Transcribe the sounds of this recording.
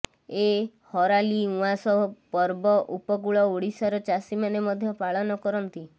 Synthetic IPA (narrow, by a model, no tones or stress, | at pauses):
e | hɔɾaliũasɔɔpɔɾbɔʔupɔk̬uɭɔoɽisaɾɔt͡ʃasimanemɔd̪ʱjɔpaɭɔnɔkɔɾɔnt̪i